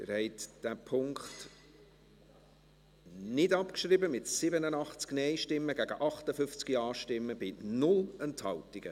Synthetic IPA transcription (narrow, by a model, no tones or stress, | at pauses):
ɪ̰ɾhɛɪtd̥æpʰʊŋkχt | nɪdɑpkʃɾɪbəmɪtsɪbənənɑχt͡sknɛjʃtɪmːəɡæɡəʔɑχtəfʏft͡skiɑːʃtɪmːəb̥ɪnʊlɛnthɑltiɡ̥ə